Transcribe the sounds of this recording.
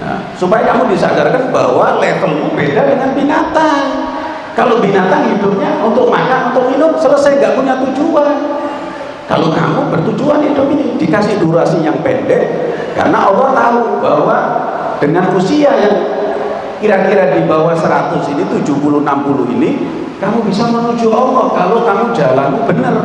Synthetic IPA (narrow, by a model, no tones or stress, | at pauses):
na̰ | supajakamudisaɡarkanba̰walɛt̪əlmubedadəŋanbinat̪an | kalobinat̪anhidʊp̚ɲaʔunt̪ʊʔ̚makaunt̪ʊk̚minʊmsələsajŋɡaʔkuɲat̪ud͡ʒuan | ka̰loka̰mubərt̪ud͡ʒuanɦidʊpinid̥i̤kasɪhduɾuasɪjaŋpɛ̰ndɛʔ | ka̰rna̰ʔɔlɔt̪aɦuba̰wa | d̥əŋankusiajaŋ | kiɾakiɾadibawasəɾa̰t̪ʊsinit̪u̥d͡ʒupuluhnampulʊɦḭni | kamubisamənud͡ʒuɔlɔkalokamud͡ʒalanmubənər